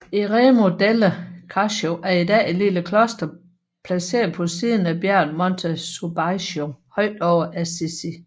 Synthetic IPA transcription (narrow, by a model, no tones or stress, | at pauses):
eʁemo̝d̥eləkʰɑɕoʔæɐidɛ̰ːeliləkʰlɔsd̥ɐ | pʰlæse̝̰ːɐð̩ˠpʰɒ̽siːð̞ˠn̩æb̥jæɐ̰nmɒnt͡sʰæsub̥ɑɪɕohɒ̽ɪ̰d̥ɒʊɐʔæsesi